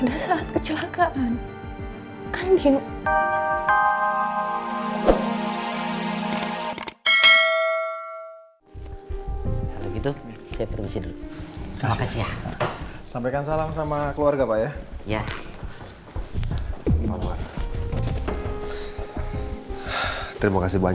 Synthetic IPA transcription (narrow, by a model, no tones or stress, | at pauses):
dasaːt̪̚kət͡ʃəlakaʔan | andɪn | kalo̰ɡit̪usajapərmisidulut̪ɾimakasija | sampajkansalamsamakəluarɡapajaja | pamua̰t | t̪əɾimakasibaɲ